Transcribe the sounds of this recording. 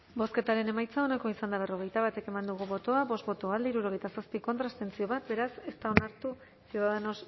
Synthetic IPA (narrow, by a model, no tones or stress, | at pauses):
bo̞ske̞t̪aɾe̞ne̞majt͡sao̞nako̞isand̪aβ̞e̞ro̞ɣ̞e̞jt̪aβat̪e̞ke̞mand̪uɣ̞uβo̞t̪o̞aβo̞st̪bo̞t̪o̞ald̪eiɾuɾo̞ɣe̞jt̪asaspiko̞nt̪ɾaest̪e̞nt͡sio̞βat̪̚be̞ɾase̞st̪ao̞naɾt̪u | siðaðenos